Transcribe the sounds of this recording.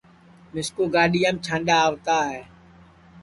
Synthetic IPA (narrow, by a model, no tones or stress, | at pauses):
mɪskoːɡaːɗiːaːmt͡ʃʰãːnɗaːʋt̪aːɦɛː